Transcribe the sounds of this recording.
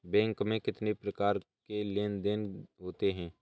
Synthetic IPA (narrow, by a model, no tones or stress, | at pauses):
bɛ̃ːŋkmẽkɪt̪nepɾɐkaːɾkeleːnd̪enɦoːt̪eɦɛ̃ː